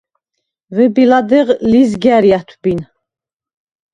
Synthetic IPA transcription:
vɛbilad̪ɛʁlizɡæɾjat̪ʰbin

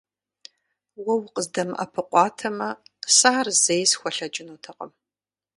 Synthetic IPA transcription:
wɐwqəzdɐmʔɐ̰pʰɨqʷʼɑːtʰɐmɐsaːrzejsxʷɔɬɐd͡ʒʼɪnuːtʰɐqʼə̰m

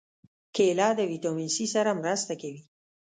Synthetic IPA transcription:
kelɑd̪əwit̪omɪnsisaɾamɾəst̪akawi

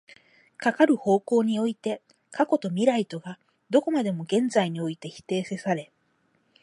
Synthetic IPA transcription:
kakaɾɯ̟ho̞ːko̞ːɲ̟io̞it̪e̞ | kako̞t̪o̞mʲiɾait̪o̞ɡa | d̪o̞ko̞mad̪e̞mo̞ɡẽ̞nd͡zaiɲ̟io̞it̪e̞çi̥t̪e̞ːsesaɾe̞

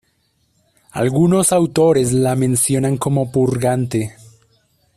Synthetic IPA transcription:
a̰lɣuno̞sawt̪o̞ɾe̞zlamẽ̞nsjo̞naŋko̞mo̞puɾɣant̪e

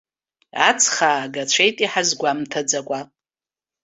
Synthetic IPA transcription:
a̰t͡sʰχaːɡat͡ʃʷʰejtʼiħazɡʷamtʰad͡zakʷʼa

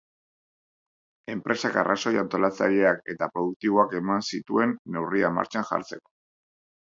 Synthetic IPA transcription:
e̞mpɾe̞saka̰rʔa̰so̞jant̪o̞lat͡sa̰ʎe̞ake̞t̪apɾo̞ðuk̚t̪iβo̞ake̞mansit̪ue̞nːe̞wriama̰ɾt͡ʃanʝa̰ɾt͡se̞ko̞̥

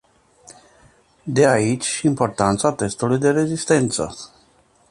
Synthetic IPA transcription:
d̪eait͡ʃʲʃimpo̞rt̪ant̪sat̪e̞st̪ulujd̪e̞ɾe̞zist̪e̞nt̪sə̰

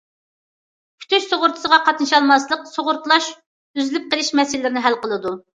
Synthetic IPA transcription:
kʲʰy̥t̪ʰyʃsoʁʊɾt̪ʰɨ̥səʁɑqʰɑt̪nɨʃɑlˠmɑslˠəqsoʁʊɾt̪lˠɑʃ | yzlyp̚qəlˠɪʃmɛsɪlɪlɪɾɪnɪɦælqəlˠɨd̪u

